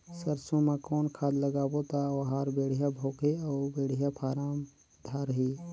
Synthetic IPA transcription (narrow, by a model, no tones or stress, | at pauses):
səɾsõmẽkɔːnkʰaːd̪ləɡaːbot̪aʋɐɦaːɾbeːɽ̤ijabʱoːkiɔːbeːɽ̤ijapʰaːɾaːm | d̪ʱaːɾɦiː